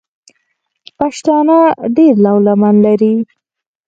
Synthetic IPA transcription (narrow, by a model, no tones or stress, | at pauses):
paʃt̪ɑnaɖeɾlawlamanlaɾi